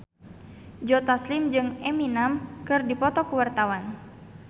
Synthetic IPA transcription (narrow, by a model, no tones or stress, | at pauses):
d͡ʒɔt̪aslimd͡ʒɨŋɛminamkɨrdipɔt̪ɔkuwart̪awan